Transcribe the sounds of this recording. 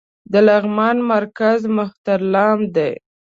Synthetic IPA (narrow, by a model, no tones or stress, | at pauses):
d̪əlaɣmɑnmaɾkazmʊxt̪aɾlɑmd̪ḛj